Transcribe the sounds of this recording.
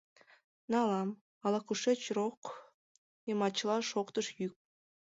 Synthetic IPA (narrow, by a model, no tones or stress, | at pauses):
nɑlɑm | ɑlɑkuʃet͡ɕroq | jəmɑt͡ɕlˠɑʃoqt̪əʃjyk̚